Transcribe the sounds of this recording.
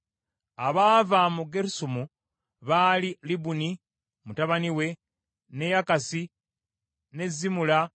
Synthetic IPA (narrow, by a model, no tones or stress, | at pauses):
aβaːvamuɡeɾusumu | βaːlilibuni | mutaβaniwe̞ | ne̞jakasi | ne̞zːimula